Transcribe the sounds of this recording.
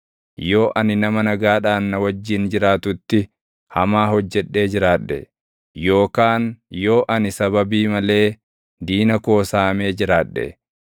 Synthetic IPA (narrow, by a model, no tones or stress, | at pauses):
jo̞ːʔɐnɪnɐmɐnɐɡaːᶑaːnːɐwɐd͡ʒːɪnd͡ʒɪɾaːt̪ʊt̪ːɪ | hɐmaːɦɔd͡ʒːɛᶑːe̞ːd͡ʒɪɾaːᶑːɛ̰ | jo̞ːkaːnjo̞ːʔɐnɪsɐβɐbiːmɐle̞ː | d̪iːnɐko̞ːsaːme̞ːd͡ʒɪɾaːᶑːɛ̰